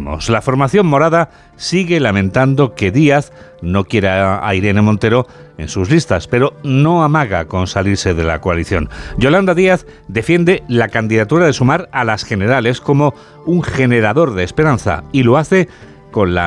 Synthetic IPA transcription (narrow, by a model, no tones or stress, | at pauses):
mo̰slafo̞ɾmaθjo̞mmo̞ɾaða | siɣe̞lamẽ̞nt̪and̪o̞ke̞ðiaθno̞kje̞ɾaa̰iɾe̞ne̞mõ̞nt̪e̞ɾo̞ | e̞̰nsuzlist̪aspe̞ɾo̞no̞amaɣako̞nsaliɾse̞ðe̞la̰ko̞aliθjo̞̰nɟ͡ʝo̞land̪aðiaθ | d̪e̞fje̞nd̪e̞lakand̪iðat̪uɾaðe̞sumaɾalasxe̞ne̞ɾale̞sko̞mo̞ | uŋxe̞ne̞ɾaðo̞ɾðeːspe̞ɾan̟θa̰ilo̞aθe̞ | ko̞nla̰